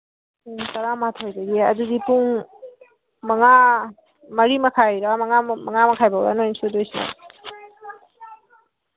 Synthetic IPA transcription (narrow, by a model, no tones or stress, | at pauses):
tɐɾamatʰojdaɡiɐ̰dudipuŋ | mɐŋa | mɐɾimɐkʰajɾamɐŋamɐŋamɐkʰajbawɾa̰noinsudojsna̰